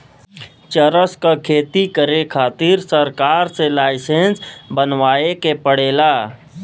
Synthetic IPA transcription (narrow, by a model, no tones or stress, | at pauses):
t͡ʃəɾəskakʰeːt̪ikəɾekʰaːt̪ɪɾsəɾkaːɾselaːɪsẽnsbənʋaːekepəɽeːlaː